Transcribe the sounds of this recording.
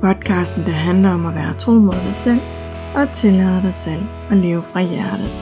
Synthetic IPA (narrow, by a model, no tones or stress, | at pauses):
pʰɒ̽d̥̚kʰɑ̈sd̥n̩d̥æɦænlɐɒ̽mæʋæːɐt͡sʰʁo̝̰ːmoð̰ˠd̥ɑ̈ɪsel̰ | ɒ̽æt͡sʰe̝lɛðˠɐɾ̥ɑ̈ɪsel̰ | ɒ̽le̝ːʊəfʁɑ̈jæɐɾ̥ð̩ˠ